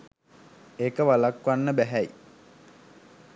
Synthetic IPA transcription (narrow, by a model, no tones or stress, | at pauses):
ekəʋalakʋanːəbæɦæj